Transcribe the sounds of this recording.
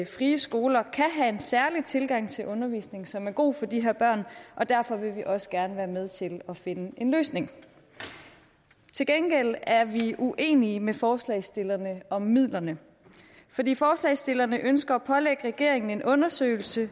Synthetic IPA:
fʁiːəsɡ̥o̝ːlɐkʰæɦæe̝nsæɐlit͡sʰe̝lɡ̥ɑ̈ŋ̰t͡sʰe̝lʔɔ̽nɐʋḭːsne̝ŋsɒ̽mæɐɡ̥o̝̰ːfɒ̽d̥iɦe̝ɐ̰b̥ɶɐ̰nʔɒ̽d̥æɐfɒ̽ʋe̝ʋiʔɒ̽sə̥ɡ̥æɐnəʋæːɐmeð̞ˠt͡sʰe̝lɒ̽fe̝nəʔe̝nløːsne̝ŋ | t͡sʰe̝lɡ̥enɡ̥el̰æɐʋiʔuʔe̝̰ːniəmefɒːslɛ̰ɪsd̥e̝lɐnəɒ̽mːið̰ˠlɐnə | fɒ̽d̥ḭːfɒːslɛɪsd̥e̝lɐnəʔønsɡ̥ɐːpʰɒ̽leɡ̥əʁɛɡ̥e̝ɐ̰e̝ŋn̩e̝nʔɔ̽nɐsø̰ːɪl̩sə

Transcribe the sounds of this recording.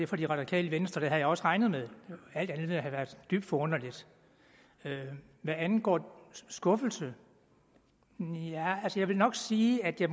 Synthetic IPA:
e̝fɒd̥iʁɑ̈dikʰɛ̰ːləʋensd̥ʁɐd̥eɦæðˠjɑɒ̽sʁɑ̈ɪnð̩ˠmeðˠæl̰d̥ænðeɦæʋæɐðˠd̥yb̥̚d̥fɒ̽ɔ̽n̰ɐlid̥ | ø | ʋæænnɡ̥ɒ̰ːsɡ̥ɔ̽fl̩sə | jæælsəjɑ̈ɪʋe̝lnɒ̽ɡ̥siːæd̥jɑ̈

